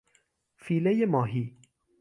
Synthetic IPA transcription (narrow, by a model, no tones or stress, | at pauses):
fiːlejmɑːɦiː